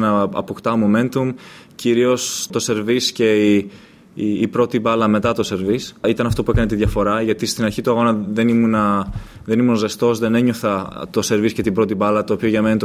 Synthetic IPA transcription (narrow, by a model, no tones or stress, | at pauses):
nɐɐ̰pokt̪ɐmume̞nt̪um | ciɾio̞st̪o̞se̞ɾvisce̞iː | pɾo̞t̪ibɐlɐme̞t̪ɐt̪o̞se̞ɾvisit̪ɐnɐft̪o̞puekɐnet̪iðʝɐfo̞ɾɐʝɐt̪ist̪inɐɾçit̪uɐɣo̞nɐðe̞nimunɐðe̞nimunɐzðest̪o̞zðe̞ne̞ɲo̞θɐt̪o̞se̞ɾvisce̞t̪ibɾo̞t̪ibɐlɐt̪o̞ːpio̞ʝɐme̞nit̪